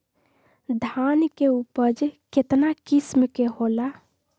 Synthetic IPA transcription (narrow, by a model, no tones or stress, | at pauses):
d̪ʱankeupəd͡ʒket̪nakismkeɦola